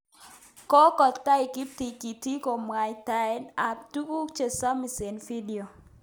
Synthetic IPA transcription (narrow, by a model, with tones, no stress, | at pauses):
kɔ˦kɔ˨t̪ta˦i˨ki˦p̚ti˨ki˨ti˦ko˨mwa˨jta˨ɛ˦na˨ptu˦ku˦t͡ʃe˨sa˦mi˨se˨nfi˦di˨o˨